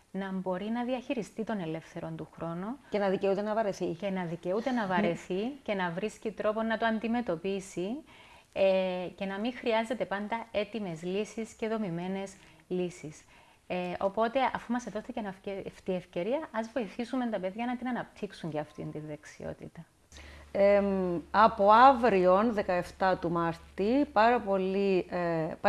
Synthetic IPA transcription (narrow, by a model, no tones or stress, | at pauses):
nɐmbo̞ɾinɐðiɐçiɾist̪it̪o̞ne̞le̞fθe̞ɾo̞nt̪uxɾo̞nucenɐðiceut̪enɐvɐɾe̞θice̞nɐðice̞ut̪e̞nɐvɐɾe̞θice̞nɐvɾiscit̪ɾo̞po̞nɐt̪oɐnd̪ime̞t̪o̞pisi | ece̞nɐmixɾiɐze̞t̪e̞pɐnd̪ɐe̞t̪ime̞zlisisce̞ðo̞mime̞ne̞s | lisis | eo̞po̞t̪e̞ʔɐfumɐseðo̞st̪ecenɐfft̪ie̞fce̞ɾiɐʔɐzvo̞iθisument̪ɐpe̞ðʝɐnɐt̪inɐnɐp̚t̪ʰiksuɲɟeɐft̪int̪inðeksḭo̞̰t̪it̪ɐ | eɐpo̞ɐvɾio̞nðe̞kɐe̞ft̪ɐt̪umɐɾt̪ipɐɾɐpo̞li | p